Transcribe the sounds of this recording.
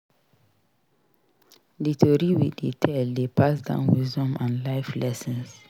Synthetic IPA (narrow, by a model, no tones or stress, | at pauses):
ditʰoɾiwidetʰɛldepʰasdã̰ʊ̃nwisdɔ̃mãnlaɪflʔɛsɛ̃ns